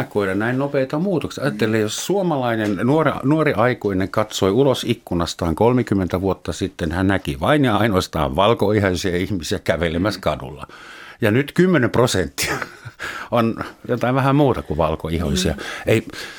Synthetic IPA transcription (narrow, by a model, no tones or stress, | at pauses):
ɑkoilɑnæinnopeit̪ɑmuːt̪oksiɑjɑt̪ːelːˑeːjossuomɑlɑinennuornuoriʔɑikoineŋkɑt̪soiulosikːunɑst̪ɑːŋkolmekymːent̪æʋuot̪ːɑsit̪ːenhænnækḭʋɑinjɑɑinoɑst̪ɑ̰ːʋʋɑlkoihɑisiɑihmisiækæʋelemæskɑdṵlːɑ̰jɑnyt̪kymːenemprosent̪ːi̥ɑ | onjot̪ɑiʋæhæmmuːt̪ɑkuʋɑlko̰iho̰isiɑ̰ei